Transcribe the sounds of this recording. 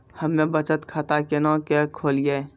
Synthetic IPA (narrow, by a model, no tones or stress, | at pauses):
hɐmːẽbɐt͡ʃət̪kʰat̪akenãːkɛkʰoːlijeː